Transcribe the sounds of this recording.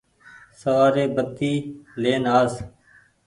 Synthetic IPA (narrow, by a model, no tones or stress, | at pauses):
səʋaːɾeːbət̪ːiːleːnaːz